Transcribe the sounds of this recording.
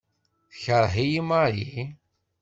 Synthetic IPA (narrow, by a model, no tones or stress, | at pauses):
θəçəɾˤɦijimaɾi